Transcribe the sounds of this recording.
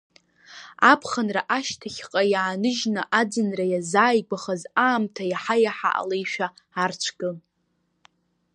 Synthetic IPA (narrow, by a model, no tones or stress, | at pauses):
apʰχanraʔaʃtʰaχʲqʼajaːnɨʒnɨʔad͡zɨnrajazaːjɡʷaχazaːmtʰajaħajaħa̰ʔa̰lejʃᶣaːrt͡ʃʷʰɡɨ